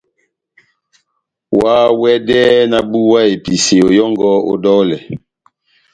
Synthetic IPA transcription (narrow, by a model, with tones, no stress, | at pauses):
waː˨˦wɛ˦dɛː˦na˨bu˦wa˦e˨pi˨se˨o˨jɔ˦ŋɡɔ˦o̰˦dɔ˦lɛ˨